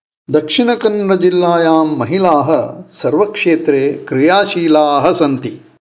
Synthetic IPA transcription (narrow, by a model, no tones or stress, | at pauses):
d̪ɐkʂinɐkɐnɾɐd͡ʒilːaːjaːmːɐɦilaːɦɐ̆sɐɾʋɐkʂeːt̪ɾeːkɾijaːʃiːlaːɦɐ̆sɐnt̪i